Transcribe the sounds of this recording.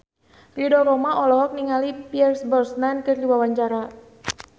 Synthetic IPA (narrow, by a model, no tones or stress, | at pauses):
ridɔɾɔmaʔɔlɔɦɔk̚niŋalipiɛrsbɔrsnankɨrdiwawaɲt͡ʃaɾa